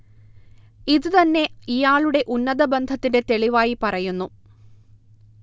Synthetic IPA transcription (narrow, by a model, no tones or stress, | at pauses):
iðɨt̪ɐnːe̞ijaːɭuɽe̞ʔunːɐðɐbend̪ʱɐt̪ːinde̞t̪e̞ɭiʋaːjipɐrɐjunːu